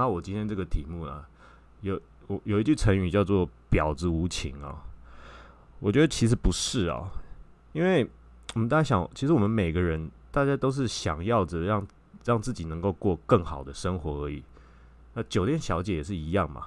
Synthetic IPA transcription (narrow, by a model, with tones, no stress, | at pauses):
na˥˩wɔ˨˩t͡ɕi˥nt̪ʰjɛ˥nʈ͡ʂɤ˥˩ɡə˨t̪ʰi˨˩mu˥˩lɐ̰˩ | jo˨˦ʊ | wɔ˨˩jo˨˩ʊi˧˦t͡ɕy˥˩t͡sʰə˧˥ŋy˨t͡ɕjɑ˥˧ʊt͡swɔ˥˩pjɑ˨˩ʊd͡zɹ̩˧˦u˧˥t͡ɕʰḭ˧˥ŋɐ̰˨ | wɔ˨˩t͡ɕɥɛ˧˥d̪ə˧t͡ɕʰi˧˥ʂ̬ɻ̩˧˦pu˧˥ʂɻ̩˥˩ɐ̰˨˩ | i˥nwe˥˩ɪ | wmə˦nt̪a˥˩t͡ɕa˥˩ɕjɑ̰˨˩˦ŋ˨t͡ɕʰi˧˥ʂɻ̩˧˦wɔ˨mə˦nme˨˩ɪɡə˦ɻə˧˦n | t̪a˥˩t͡ɕja˥t̪o˥ʊʂ̬ɻ̩˥˩ɕjɑ˨˩ŋjɑ˥˨ʊd͡zə˨˩ɻɑ˥˧ŋ | ɻɑ˥˧ŋt͡sɹ̩˥˩t͡ɕi˨˩nə˧˦ŋko˥˧ʊkwɔ˥˧kə˥˩ŋxɑ˨˩ʊd̪ə˦ʂə˥ŋxwɔ˧˥ə˞˧˥ḭ˨˩˦ | na˥˩t͡ɕjo˨˩ʊt̪jɛ˥˨nɕjɑ˧˥ʊt͡ɕjɛ˨˥jɛ˨˩ʂɻ̩˥˩i˧˥jɑ˥˨ŋma̰˩˦